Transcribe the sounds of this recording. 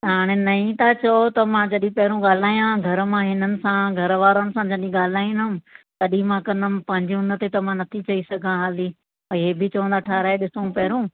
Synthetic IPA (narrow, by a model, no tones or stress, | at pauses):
ɦaːɽ̃enɐĩt̪at͡ɕɐot̪ɐmãd͡ʑɐɗĩpɐɦɪɾũɠaːl̤aːjãɡʱɐɾəmãɦɪnənɪ̆sãɡʱɐɾʋaːɾonɪ̆sãd͡ʑɐɗĩɠaːl̤aːĩnə̃k̪ɐɗĩmãkɐ̃nəmɪpɐ̃ɦɪ̃ɲd͡ʑʊnət̪et̪ɐmãnɐt̪ʰit͡ɕɐisɐɡʱãɦaːli | ɐɦebɪt͡ɕɐʋə̃nd̪aːʈʰaːɾaːeɗɪsõpɐɦɪɾũː